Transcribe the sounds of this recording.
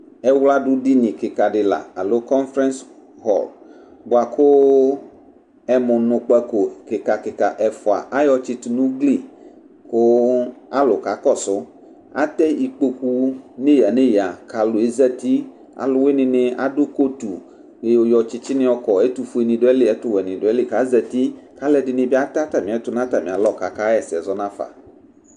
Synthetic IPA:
ɛ˦wla˦ɖʊ˦ɖi˦nĩ˨kɪ˨ka˨ɖɪ˨la̰˨a˨lo˦kɔ˦nfɾɛ̃˦ns | ɦɔ̰˨l | bo˨a˨kʰo˦ | ɛ˦mʊ̃˨nʊ̃˨k͡pa˦ko˨kɪ˨ka˨kɪ˨ka˨ʔɛ˨fɔ˨a̰˨ʔa˦jɔ˦t͡ʃi˦t̪u˨nũ˦ɡli˦˨ | ko˦a˦lo˨ka˨˦kɔ˦sʊ˦ | a̰˦t̪ɛ˦i˨k͡po˦ku˦ne˦ja˨ne˦ja˨ka˨lʊ˨e˦zɛ˦t̪i˦ | a̰˨lʊ˦we˦nɪ̃˨nɪ̃˦a̰˦dʊ˦ko˦t̪u˨ | ke˦jo˦jɔ˧t͡ʃɪ˦t͡ʃɪ˦nɪ̃˦ɔ˦kɔ˨e˦t̪u˨fu˦e˨nĩ˨ɖʊ˦ɛ˦lɪ˦ɛ˦t̪ʊ˦wɛ˨nĩ˨ɖʊ˦ɛ˦lɪ˦˨ka˨˦zɛ˨t̪i˦ka˦lɛ˦dɪ˨nɪ̃˨bi˦a˦t̪a˦t̪a˨mĩ˨ɛ˨˦t̪ʊ˦nã˦t̪a˨mĩ˨a˨lɔ˦˨ka˨ka˦ɛ˨sɪ˨ɛ̰˨zɔ˦nã˦fa̰˨

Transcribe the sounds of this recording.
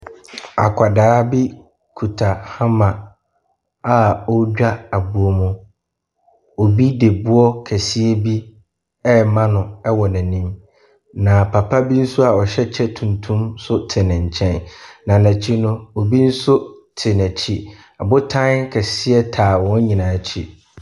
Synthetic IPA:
a̰˨kʷʰa˨daː˨˦bi˦ | kʰu˨tʰa˨hã˦mã˨ | a˨ɔ˦d͡ʑᶣa˦a˨bu˨o˨mʊ̃˨ | o˨bi˦de˨bʊ˦ɔ˦kʰæ˨si˦ɛ˦bi˦ | ɛ˦mã˦nʊ̃˨ɛ˦wɔ˨næ̃˨nĩ˦m | nã˨pʰa˨pʰa˦bi˦n̩˦sʊ˦a˨ɔ˨ɕɛ˦t͡ɕʰɛ˦tʰũ˨ntʰũ˦msʊ˦tʰɪ˨nɪ̃˨ɲ̩˨t͡ɕʰɛ̃˦nːã˨næ̃˨t͡ɕʰi˦nʊ̃˦o˨bi˦n̩˦sʊ˦tʰɪ˨næ˨t͡ɕʰi˦ | a˨bʊ˦tʰã˦nkʰɛ˨si˦ɛ˦tʰaː˨wɔ̃˦n˦ɲĩ˨nã˨t͡ɕʰi˦

